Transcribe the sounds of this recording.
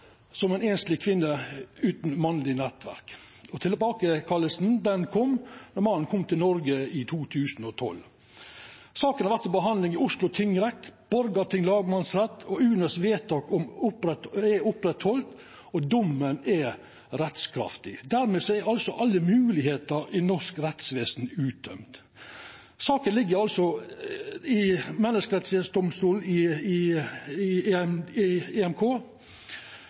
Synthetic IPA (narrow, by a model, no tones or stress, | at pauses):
sɔmɛɪneːnst̪lɪkʰʋɪnːəʉːt̪n̩mɑnlɪnɛt̪ʋæ̰ɾk | ɔt̪ʰɪləbɑːkəkʰɑlːəsn̩d̪ɛnkʰɔmːnɔɾmɑnːənkʰɔmt̪ɪlnɔɾɡəɪt̪ʰuːt̪ʰʉːsn̩ɔt̪ʰɔ̰l | sɑːkənhɑɾʋæɾt̪ɔbəɦɑnlɪŋɪʊslʊt̪ʰɪŋɾɛk̚t̪b̥ɔɾɡɑt̪ʰɪŋlɑːɡmɑnsɾɛt̪ːɔʉːnəsʋeːt̪ʰɑkɔmʊpɾɛt̪ɛʊpɾɛt̪hɔlt̪ | ɔd̪ʊmːənɛ | ɾɛt̪skʰɾɑ̰ft̪ɪd̪æɾmeːsɔɛɑlsɔʔɑlːəmʉːlɪheːt̪əɾɪnɔʂkɾɛt̪sʋeːsn̩ʉːt̪̚d̪œ̰mt̪ | sɑːkənlɪɡːəɾɑlsɔ | ɪmɛnːəskəɾɛt̪sʋeːsd̪ʊmst̪uːlɪɪɪ | eɛmkʰoː